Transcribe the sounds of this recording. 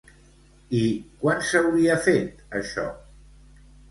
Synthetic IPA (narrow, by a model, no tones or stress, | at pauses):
ikwansəwɾiəfet̪əʃɔ̰